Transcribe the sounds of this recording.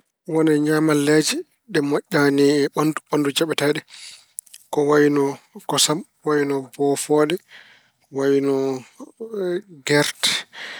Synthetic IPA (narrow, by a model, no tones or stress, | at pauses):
wɔnɛɲamalɛd͡ʒɛ | ɗɛmɔʔʲːaniɛɓanduɓandud͡ʒaɓɛtaɗɛ | kɔwawinɔkɔsam | wawinɔbɔfɔɗɛ | wajinɔ | ɡɛɾtɛ̥